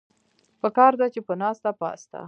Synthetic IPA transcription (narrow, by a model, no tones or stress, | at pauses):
pəkɑɾd̪at͡ʃepənɑst̪apɑ̰st̪a̰